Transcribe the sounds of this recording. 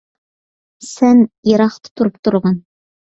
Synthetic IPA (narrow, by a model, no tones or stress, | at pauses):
sænɤɾɑqt̪ɤ̥t̪ŏɾɤp̚t̪ŏɾʁɑn